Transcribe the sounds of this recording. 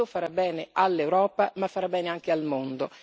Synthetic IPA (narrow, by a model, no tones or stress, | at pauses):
ofaɾabːɛːneʔalːewɾɔːpamafːaɾabːɛːneaŋk̟ealmond̪o